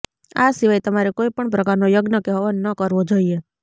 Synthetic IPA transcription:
asiʋajt̪əmaɾekoipəɳpɾəkaɾnojəɡnəkɛɦoʋanːəkəɾʋod͡ʒoie

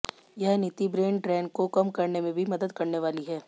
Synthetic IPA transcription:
jɐɦnɪt̪ibɾeːɳɖɖɾɛːnkokɐmkɐɾnemẽbʱimɐd̪əd̪kɐɾneʋaːliɦɛː

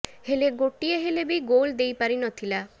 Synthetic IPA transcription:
heleɡoʈieɦelebejɡold̪ejpaɾinɔt̪ʰila

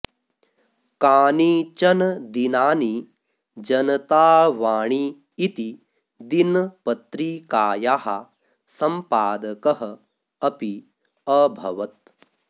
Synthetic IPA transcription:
kaːnit͡ʃɐnd̪inaːni | d͡ʒɐnɐt̪aːʋaːɳ̃iː | t̪i | d̪inpɐt̪ɾikaːjaːɦɐ̰ | sɐmpaːd̪ɐkɐɦɐ | ɐpi | ɐbʱɐ̰ʋɐt̪̚

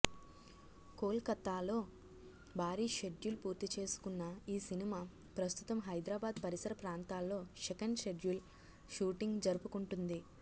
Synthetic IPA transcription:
ko̞ːlkɐt̪ːaːlo̞ː | bʱaːɾiːʃeɖjulpuːɾt̪it͡ʃe̞ːsu̥kunːɐiːsinimaː | pɾɐst̪u̥t̪ɐmɦɐjd̪ɾaːbaːd̪pɐɾisɐɾɐpɾaːnt̪aːlːo̞ːʃekɐnɖʃe̞ɖjul | ʃuːʈiŋɡd͡ʒɐɾupukuɳʈund̪i

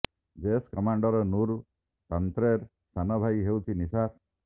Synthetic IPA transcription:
d͡ʒeskɔmaɳɖɔɾɔnuɾu | t̪ɔnt̪ɾeɾ | sanɔbʱajɦewt̪ʰinisap̚

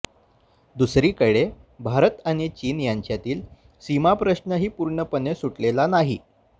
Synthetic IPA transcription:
d̪usɾiːkəɽebʱaɾət̪aɽ̃it͡ɕiːnjaɲt͡ɕjat̪iːl | simapɾəɕɳəɦiːpuɾɳəpənesuʈlelanaɦi

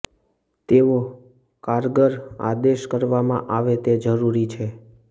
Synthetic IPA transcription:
t̪eʋo | kaɾɡəɾa̰d̪eʃkəɾʋamã̰ʔaʋet̪ed͡ʒəɾuɾit͡ʃʰe

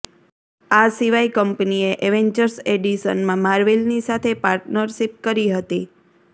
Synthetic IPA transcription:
asiʋaikəmpnieʔeʋeɲd͡ʒəɾseɖiʃə̰nmãmaɾʋelnisat̪ʰepaɾʈnəɾʃip̚kəɾiɦət̪i

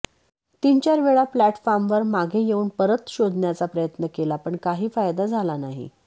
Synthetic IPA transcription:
t̪iɲt͡ɕaɾʋeɭaplæʈfɔɾmʋəɾmaɡʱejeuːnpəɾət̪ɕod̪ʱnjat͡sapɾəjət̪nəkelapəɳkaɦiːfajd̪ad͡zʱalanaɦḭ

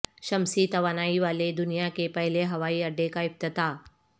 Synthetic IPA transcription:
ʃɐmsit̪ɐʋaːnaːiʋaːled̪ʊnijakepɐɦleɦɐʋaːiɐɖːekaɪp̚t̪ɪt̪aː

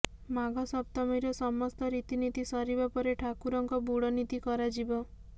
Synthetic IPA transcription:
maɡɔsɔpt̪ɔmɔjɾɔsɔmɔst̪ɔɾit̪init̪isɔɾibapɔɾeʈʰakuɾɔŋkɔbuɽɔnit̪ikɔɾad͡ʒibɔ

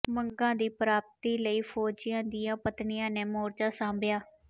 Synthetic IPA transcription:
məŋɡãːd̪iːpɾaːp̚t̪iːləiːpʰɔːd͡ʒɪjãːd̪ɪjãːpət̪nɪjãːneːmoːɾd͡ʒãːsãːmbjaː

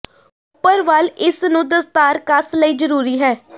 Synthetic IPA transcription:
ʊpːəɾʋalɪsnũːd̪əst̪aːɾkasləiːd͡ʒəɾuːɾiːɦɛː

